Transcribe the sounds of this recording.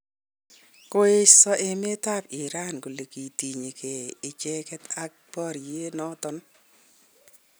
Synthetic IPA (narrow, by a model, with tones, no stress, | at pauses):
ko˦ɪ˦sɔ˦ʔe˨me˦ta˦pɪ˨ɾa˦˨nɡo˨le˨ki˨ti˨ɲe˨kʰe˨ɪ˨t͡ʃɛ˦kɛ˦ta˦k̚pɔ˦˨ɾje˦nɔ˦tɔ˦n